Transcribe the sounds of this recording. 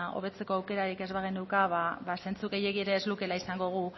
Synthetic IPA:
o̰βe̞t͡se̞ko̞awke̞ɾaɾike̞zβaɣinukaβaβase̞nt͡suɣejeɣieɾe̞ːzluke̞laisaŋɡo̞ɣ̞u

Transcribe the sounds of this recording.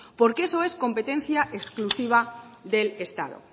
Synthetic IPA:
poɾkesoesko̞mpe̞t̪en̟θjaʔeksklusiβ̞aðelest̪a̰ðo̰

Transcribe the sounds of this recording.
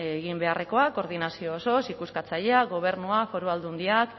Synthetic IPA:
eɣimbe̞are̞ko̞ako̞ɾðinasio̞ːso̞sikuskat͡saʎeaɡo̞β̞e̞ɾnuafo̞ɾuald̪und̪iak

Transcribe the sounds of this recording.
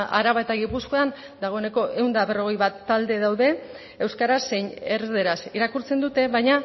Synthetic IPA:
ʔa̰ɾaβaet̪aɣipuskoan | d̪aɣ̞o̞e̞ne̞ko̞ʔe̞wnd̪aβe̞ro̞ɣ̞e̞jβat̪ːald̪e̞ðawðe̞ | ewskaɾasːe̞jɲe̞ɾðe̞ɾasiɾakuɾt͡se̞nd̪ut̪e̞βajɲa

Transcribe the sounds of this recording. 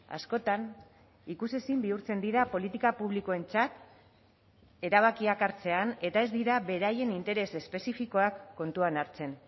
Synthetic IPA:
a̰sko̞t̪an | ikuse̞simbiuɾt͡se̞nd̪iɾapo̞lit̪ikapuβlikoe̞nt͡sat̪ | e̞ɾaβ̞akiakaɾt͡se̞ane̞t̪ae̞zd̪iɾaβe̞ɾaje̞nint̪e̞ɾe̞se̞spe̞sifiko̞akːo̞nt̪uanaɾt͡se̞n

